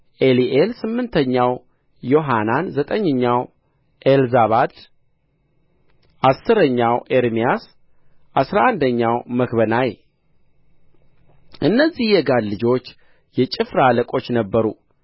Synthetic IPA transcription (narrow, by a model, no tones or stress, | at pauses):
ʔeliʔelsɨmːɨnt̪ʰəɲːaw | jo̞ɦananzət̪ʼəɲːəɲːaw | ʔelzaβad̪ | ʔasːɨɾəɲːawʔeɾmijas | ʔasɾaʔand̪əɲːawməkβənaj | ʔɨnːəzːihjɛɡad̪lɨd͡ʒo̞t͡ʃː | jɛt͡ʃʼɪfɾaləkʼo̞t͡ʃːnəbːəɾṵ